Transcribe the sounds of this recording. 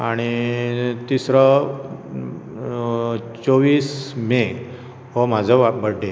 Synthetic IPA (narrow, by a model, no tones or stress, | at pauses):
aɽ̃i | t̪isɾɔ | t͡soʋiːsmẽ | ɦɔm̤ad͡zʱɔʋapbəɽːe